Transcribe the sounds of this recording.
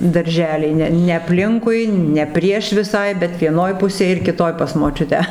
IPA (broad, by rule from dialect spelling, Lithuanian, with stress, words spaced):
dɐrʲˈʒʲæːlʲɛɪ ˈnʲɛ nʲɛ ɐpʲˈlʲɪŋkʊɪ nʲɛ ˈpʲrʲiɛʃ ʋʲɪˈsɐɪ bʲɛt ʋʲiɛˈnoːj ˈpʊsʲeːj ɪr kʲɪˈtoːj pɐs moːˈt͡ʃʲʊtʲæː